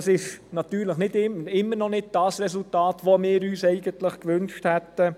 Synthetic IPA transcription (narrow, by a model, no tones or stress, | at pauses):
sɪʃnɑtyːɾləχnɪdɪmɪmːəɾnɔnɪd̚d̥ɑsɾɛsultɑːtʋomɪːɾyːsɛɪɡənt̪ləχkʋʏnʃthɛtːə